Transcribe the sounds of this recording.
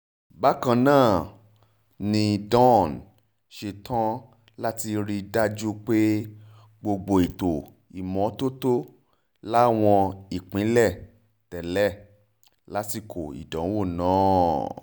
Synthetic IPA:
ba˦kã˧nãː˦˨ | nĩ˧˨dɔ̃˦˨n | ʃe˧tʰã˦ | la˦ti˧ɾi˧da˦d͡ʒu˦k͡pe˦ | ɡ͡bo˧ɡ͡bo˧i˨to˨ | i˨mɔ̃˨˦to˦to˦ | la˦˨w̃ɔ̃˧i˨k͡pĩ˨˦lɛ˦˨ | tɛ˨lɛ˦˨ | la˦ti˦˨kʰo˨ḭ˨dɔ̃˨˦wo˦˨nãː˨˦

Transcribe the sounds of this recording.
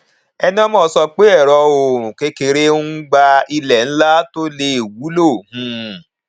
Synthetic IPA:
ɛ˧nĩ˦ɔ˦mɔ̃ː˦˨˦sɔ˧k͡pe˦ɛ˦˨ɾɔ˧õ˨ke˨˧˦ke˨ɾe˦ɡ͡ba˧i˧lɛ˨n̩˦la˦to˦le˧i˨wu˨˦lo˦˨hũ˧˨

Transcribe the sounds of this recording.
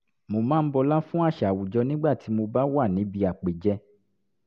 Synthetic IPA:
mo˧˨mãː˦˧n̩˦bɔ˧la˦fũ˦a˦˨ʃa˨wu˨d͡ʒɔ˧nĩ˦ɡ͡ba˦˨ti˨˦mo˧ba˦wa˦˨nĩ˨˦bi˧a˨k͡pe˨d͡ʒɛ˧

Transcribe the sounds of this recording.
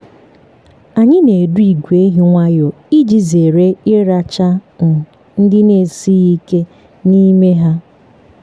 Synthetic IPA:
a˨ɲɪ˦ne˨du˦i˨ɡʷe˦ɦi˦ŋʷa˦jo˨ | i˦d͡ʒi˨ze˨ɾe˦ɪ˦ɾa˨t͡ʃa˦n̩˨ | n̩˦dɪ˦ne˨si˦i˦ke˦ | ni˦me˦ɦa˦

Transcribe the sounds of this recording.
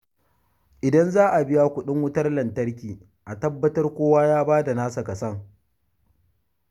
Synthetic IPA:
ʔɪ˨dɐ˦nzaː˦ʔa˨bɪ˦ja˦kʷʊ˨ɗɪ˦ŋwʊ˦tɐ˦rlɐ˨ntɐ˦rkʲiː˨ | ʔa˨tɐ˦bːɐ˦tɐ˦rkʷoː˦waː˦jaː˦baː˦da˨naː˦sa˨kɐ˨sɐ˦ŋ

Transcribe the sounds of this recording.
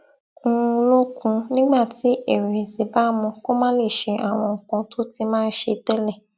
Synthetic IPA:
ũ˧lo˦kũ˧nĩ˦ɡ͡ba˦˨ti˨˦e˨ɾi˨zi˨ba˦mũ˧ko˦mã˦le˦˨ʃe˧ʔa˦˨w̃ɔ̃˧˨kɔ̃˧to˦ti˧mãː˦˧n̩˦ʃe˧tɛ˦lɛ˦˨

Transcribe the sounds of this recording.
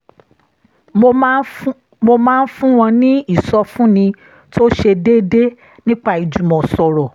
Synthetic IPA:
mo˧mãː˦˧n̩˦fũ˦w̃ɔ̃˧nĩ˦i˦˨sɔ˧fũ˦nĩ˧ | to˦ʃe˧de˦de˦ | nĩ˦k͡pa˦˨i˨d͡ʒũ˨mɔ̃˨sɔ˨ɾɔ˨

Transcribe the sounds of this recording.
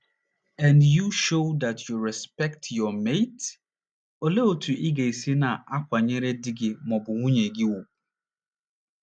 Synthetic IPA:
ɛ˨ndju˨ʃo˦da˨tju˨ɾɛ˨spɛ˦k̚tʰjɔ˨me˦t | o˨le˦o˦˨tʰu˨ʔɪ˦ɡe˨i˨si˦na˨a˦kʷa˨ɲe˦ɾe˦dɪ˦ɡɪ˨mɔ˨bʊ˨ŋʷu˦ɲe˨ɡɪ˦wu˨

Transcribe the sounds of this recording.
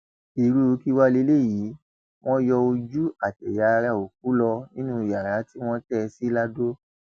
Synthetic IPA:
i˨ɾu˦˧˦ki˦wa˦le˧˦le˦˨jiː˨˦ | w̃ɔ̃˦jɔ˧o˧d͡ʒu˦a˨tɛ˨ja˨˦˧ɾa˦˧˨o˨k̚u˨˦lɔ˧nĩ˦nũ˦i˨ja˨ɾa˨˦ti˦w̃ɔ̃˦tɛ˦˧si˦la˦do˦

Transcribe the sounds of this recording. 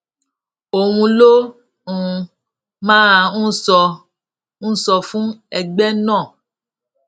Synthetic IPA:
o˨wũ˧lo˦ | ũ˨˧ | mãː˦a˨ñ̩˦sɔ˧ | ñ̩˦sɔ˧fũ˦ɛ˨ɡ͡bɛ˦nɔ̃ː˦˨

